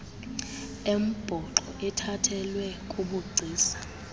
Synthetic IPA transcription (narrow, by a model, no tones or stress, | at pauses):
em̩b̥ʱɔǃɔʔɛtʰatʰɛlwɛkʼuɓuɡ͡ǀʱiːsḁ